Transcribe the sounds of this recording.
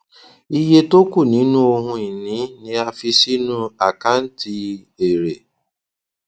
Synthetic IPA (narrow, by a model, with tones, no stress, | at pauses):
i˦je˦to˦ku˦˨nĩ˨˦nũ˦o˧ɦũ˧i˨nĩ˨˦nĩ˧a˧fi˧si˦nũ˦a˨ka˦n̩˦ti˧ | e˨ɾe˨